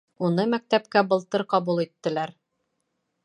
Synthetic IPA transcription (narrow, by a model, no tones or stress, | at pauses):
unɤmæk̚t̪æpkæbɤ̆lˠt̪ɤɾqɑbulˠit̪ːɘ̆læɾ